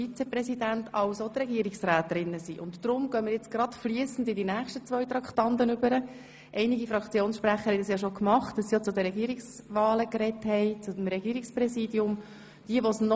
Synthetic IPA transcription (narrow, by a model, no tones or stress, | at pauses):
fit͡sɛpɾɛsidæntɑwsot̪ɾɛɡiəɾiksraːt̪ɾɪnːəsiʔʊntːɾʊmɡ̥œmɪːɾjɛt͡sɡ̥ɾɑt̪fliəsn̩dɪdinæːχʃtət͡sʋœʏt̪ɾɑkχt̪ɑntənʏbəɾə | ʔɛɪniɡifɾɑkt͡sjoːnsʃpɾæχəhɛɪdɑsjɑʃokmɑχtdɑsːijot͡sʊd̪əɾɛɡiːɾiksʋɑːləkɾɛthɛɪt͡sʊdm̩ɾɛɡiːɾiksprɛsiːdiʊm | d̥iəʋosnɔ